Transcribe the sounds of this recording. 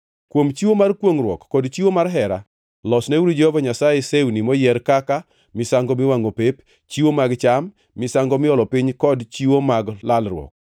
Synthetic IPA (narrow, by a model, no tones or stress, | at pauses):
kwomt͡ʃiwomarkwoŋɾwɔ̰kːɔdt͡ʃiwomarɦɛɾa̰ | lɔsnɛwuɾod͡ʒɛhɔvaɲasajeseunimɔjɛɾkaka | mɪsaŋɡɔmɪwaŋopep | t͡ʃiwomaɡt͡ʃamː | ɪsaŋɡɔmɪɔlɔpɪɲkɔdt͡ʃiwomaɡlalrwɔ̰k̚